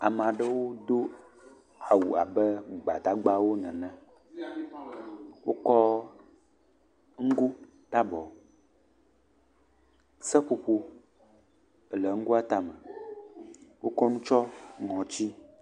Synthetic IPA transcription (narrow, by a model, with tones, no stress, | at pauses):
a̰˨m˨ã˨ɖə˦wo˦d̪o˦ | a˨wu˨a̰˨bə˦ɡ͡ba˨t̪a˦ɡ͡ba˦wo˦nɛ̃˨nɛ̃˦ | wo˦kɔ˦ | ŋ̩˦ɡu˦ | ɖa˦bɔ˨ | sɛ˦ɸo˨ɸo˦ | ə˨lɛ˨ŋ̩˦ɡu˦a˦t̪a˦mə̃˨ | wo˦kɔ˦nũ˦t͡ʃɔ˦ŋɔ̃˨t͡ɕi˦